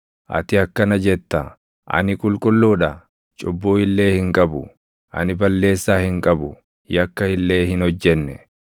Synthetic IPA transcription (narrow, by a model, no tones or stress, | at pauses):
ʔɐ̰t̪ɪɐkːɐnɐd͡ʒɛt̪ːɐ | ʔɐ̰nɪkʼʊlkʼʊlːuːᶑɐ | t͡ʃʼʊbːuːɪlːe̞ːhɪŋkʼɐbʊ | ʔɐ̰nɪbɐlːe̞ːsːaːhɪŋkʼɐbʊ | jɐkːɐɪlːe̞ːhɪnhɔd͡ʒːɛnːɛ